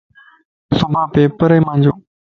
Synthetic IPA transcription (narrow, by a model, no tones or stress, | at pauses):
sɐmbʱaːpeːpəɾəmãːɲd͡ʑoː